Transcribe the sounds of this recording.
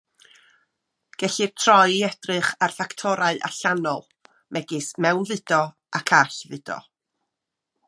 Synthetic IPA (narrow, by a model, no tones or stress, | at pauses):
ɡ̥ɛɬɨr̥tʰrɔjɛdrɨχarfaktʰɔɾaɨʔa̰ɬanɔlˠ | mʔɛɡɪsmɛwnvɨdɔ | akʰaɬvɨdɔ̰